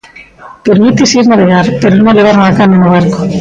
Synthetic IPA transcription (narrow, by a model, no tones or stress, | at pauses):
peɾmit̪esiɾnaβeɣaɾpeɾonoʎeβaɾnakanenoβ̞aɾko